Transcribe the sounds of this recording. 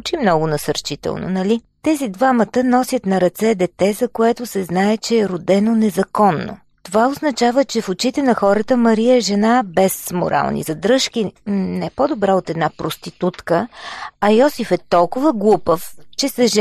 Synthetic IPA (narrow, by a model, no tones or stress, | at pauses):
t͡ʃimnɔɡʊnɐsəɾt͡ʃit̪ɛ̰lˠno̰nɐli | t̪ɛzid̪vamət̪ənɔsʲjət̪nɐɾɐt̪sɛd̪ɛt̪ɛzɐkoɛt̪ʊsɛznaɛt͡ʃɛːɾod̪ɛnonɛzɐkɔnːo̰ | t̪ovaoznɐt͡ʃavət͡ʃɛfot͡ʃit̪ɛnɐxɔɾət̪əmɐɾijəɛʒɛnabɛsmo̰ɾʔa̰lˠnḭzɐd̪ɾɤʃkinɛpod̪obɾaot̪ɛd̪napɾost̪it̪ut̪kəɐjɔsifɛt̪ɔlˠkʊvəɡlˠupəft͡ʃɛsɛʒ